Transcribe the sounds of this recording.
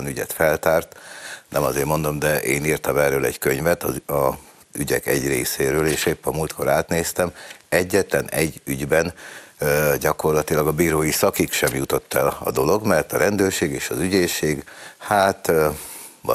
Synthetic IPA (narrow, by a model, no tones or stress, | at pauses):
nyɟɛ̰t̪fɛlt̪aːrt̪nɛmɒzeːrmo̞nd̪o̞md̪ɛʔeːniːrt̪ɒmɛrøːlɛ̰ɟkøɲvɛt̪ɒɒ | yɟɛ̰kɛɟrḛːseːɾøːleːʃeːpːɒmuːlt̪kʰo̞ɾaːt̪neːst̪ɛmɛɟːɛt̪lɛnɛɟːyɟbɛn | ɟɒko̞rlɒt̪ilɒɡɒbiːɾoːjisɒkikʃɛmjut̪o̞t̪ːɛlɒ̰d̪o̞lo̞ɡmɛrt̪ɒɾɛnd̪øːrʃeːɡeːʃɒzyɟeːʃeːɡhaːt̪ | ɒ̰